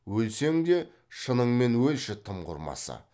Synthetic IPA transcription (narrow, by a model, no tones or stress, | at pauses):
wɵlse̞ŋd̪e̞ | ʃənəɴme̞nwɵlʃɪt̪ʰəmqʰʊ̰ɾmɑ̰sə̰